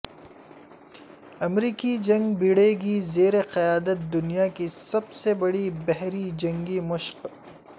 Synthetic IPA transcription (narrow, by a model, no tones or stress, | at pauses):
ɐmɾiːkid͡ʒɐ̃ŋɡbiɽeɡizeːɾeqɐjaːd̪ət̪̚d̪ʊnijakisɐbsebɐɽibɛɦɾid͡ʒɐ̃ŋɡimʊʃq